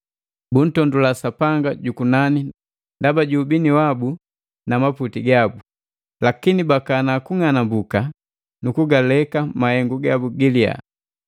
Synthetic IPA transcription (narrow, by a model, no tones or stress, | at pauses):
bun̩tɔndulasapaŋɡaɟukunani | ndabaɟuːbiniwabu | namaputiɡabu | lakinibakanakuŋanambuka | nukuɡalɛkamahɛŋɡuɡabuɡilia̰